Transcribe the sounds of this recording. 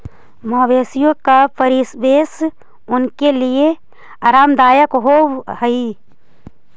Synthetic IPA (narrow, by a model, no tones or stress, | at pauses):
mɔːʋeːsijõkapʰəɾisbeːs | ʊnkelie | aːɾaːmd̪aːjəkɦohəi